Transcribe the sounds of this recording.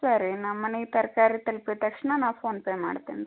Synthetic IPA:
saɾinɐmːɐneit̪ɐɾkaːɾit̪ɐlpit̪ɐkʂnɐnaːʋpʰoːnpeːma̰ːɽt̪ḭːn

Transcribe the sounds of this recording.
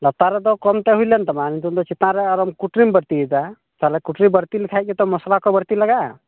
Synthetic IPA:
lɔt̪aɾɛd̪ɔkɔmt̪ɛɦujlɛnt̪ɔmanint̪und̪ɔt͡ʃit̪nãɾɛɔɾɔmkuʈɾimbəɾt̪id̪a | t̪alɛkuʈɾibəɾt̪ilikʰajt̪̚kit̪ɔmɔslakɔbəɾt̪iləɡa

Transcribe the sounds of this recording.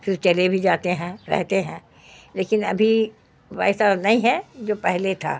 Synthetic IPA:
fɪɾt͡ʃɐlebʱid͡ʒaːt̪eɦɛ̃ɾɛ̰ɦt̪eɦɛ̃ | leːkɪnɐbʱi | ʋaːɪsanɐĩɦɛ̃d͡ʒoːpɛɦlet̪ʰa̰ː

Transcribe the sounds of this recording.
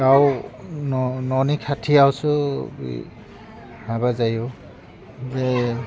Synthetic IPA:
awnɔnɔnikʰatʰiawsʊbḭ | haβazajʊ | bɛ

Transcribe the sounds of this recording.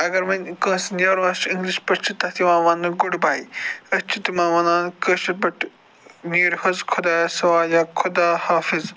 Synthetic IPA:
ɐɡɐɾmɐnʲkɐ̃ːsnʲjɐːɾũɐʃĩŋɡliʃpɐɾt͡ʃʰit̪ɐt̪ʰimãːʋaːnɡʊɽbaːiɐt͡ʃʰit̪imãːʋɐnãːnkɐːʃɐt̪̚bɐʈ | niːɾhɐzkʰʊd̪aːsɐwaːjaːkʰʊd̪aːhaːfɪz

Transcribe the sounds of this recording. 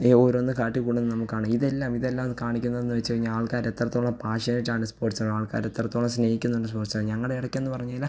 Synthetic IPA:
eoɾonːɨkaːʈːikːuːɽenːɨnɐmukːaːɳɨiðe̞lːaːmiðe̞lːaːmɨkaːɳikʲːunːɐðenːɨʋet͡ɕːɨpɐiɲːaaːɭkaːɾe̞t̪ːrɐt̪ːo̞ːɭːɐpaːʂɐnit͡ɕːaːɳɨspoːrʈsaaːɭka̰ːɾe̞t̪ːrɐt̪ːo̞ːɭɐmsneːhikʲːunːɐeɳɖɨspo̞ːrʈsaɲɐŋːɐɽeiɽɐkʲːenːɨpɐrɐɲːala

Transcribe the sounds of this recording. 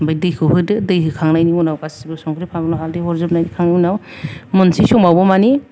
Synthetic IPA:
bajdɯjkʰɯwɦɯdɯdɯjɦɯkʰaŋnajnimunawkasibɯsɔŋkʰɾipʰaŋɯnɔɦaldeɦɔɾzɯp̚najnikʰaŋnimunawmɯnsisɔŋmawbɔmani

